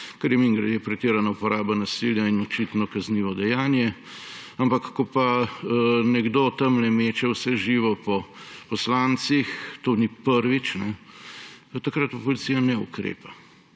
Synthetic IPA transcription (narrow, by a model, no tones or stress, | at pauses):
kɐɾjɛmiŋɡɾɛd̪eːpɾɛt̪eːɾanaupɔɾaːbanasiljainɔt͡ʃit̪nɔkɐzniːʋɔd̪ɛjaːnjɛ | ampakːɔpa | nɛɡd̪oːt̪ɐmlɛmeːt͡ʃɛwsɛʒiːʋɔpɔpɔslant̪sixt̪oːnipəɾʋit͡ʃnɛ | t̪akɾat̪pɔlit̪sijanɛṵkɾḛːpa